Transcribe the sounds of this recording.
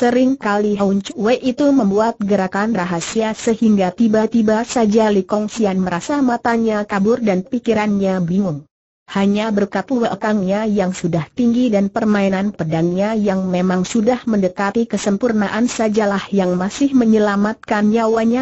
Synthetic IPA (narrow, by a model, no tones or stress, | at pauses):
səɾɪŋkaliɦauɲt͡ʃwɛʔit̪uməmbuat̪̚ɡəɾakanraɦasiasəhiŋɡat̪ibat̪ibasad͡ʒalikɔŋsianməɾasamat̪aɲakabʊrdanpikiɾanɲabiŋʊŋ | haɲabərkat̪uwəʔəkaŋɲajaŋsudaht̪iŋɡidanpərmainanpədaŋɲajaŋmemaŋsudahməndəkat̪ikəsəmpurnaʔansad͡ʒalahjaŋmasɪhməɲəlamat̪̚kanjawaɲa